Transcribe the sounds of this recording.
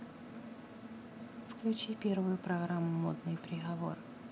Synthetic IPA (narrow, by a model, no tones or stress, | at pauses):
fklʲʉt͡ɕipʲe̞rvʊjʊpɾɐɣɾamːʊmo̰d̪̚nɨjpɾʲɪɣɐvo̞̰r